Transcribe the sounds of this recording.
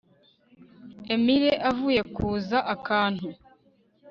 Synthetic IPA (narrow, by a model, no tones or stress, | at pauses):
e̞miɾeʔavuːje̞kuːzaʔakaːn̥hu